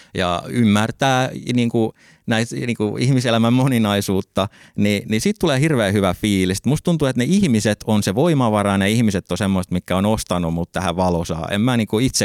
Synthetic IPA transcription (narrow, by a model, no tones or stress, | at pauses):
jɑ̰ymːært̪æːniːŋku | næit̪niːŋkuihmiselæmæmmoninɑisuːt̪ːɑ | ninisiːt̪t̪uleːhirʋeːhyʋæfiːlise̥t̪must̪t̪unt̪uet̪neihmiset̪ʰonseʋoimɑʋɑɾɑneihmiset̪ːosemːost̪mik̪kæonost̪ɑnumut̪t̪æhæʋɑlosɑ̰ːḛmmæːniːŋkuit̪se